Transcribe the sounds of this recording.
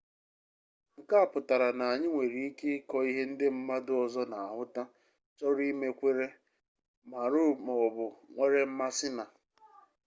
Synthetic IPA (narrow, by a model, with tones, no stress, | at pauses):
ŋ̩˨ka˦a˦˨pʊ˨ta˨ɾa˨na˨a˨ɲɪ˦ŋʷe˨ɾi˨i˦ke˦kɔ˦i˦ɦe˦n̩˦dɪ˦m̩˦ma˦dʊ˦ɔ˨zɔ˦na˨a˨ɦʊ˦ta˦ | t͡ʃɔ˦ɾi˦me˦kʷe˦ɾe˦ | ma˨ɾʊ˦mɔ˨bʊ˨ŋʷe˦ɾe˦m̩˦ma˦sɪ˦na˨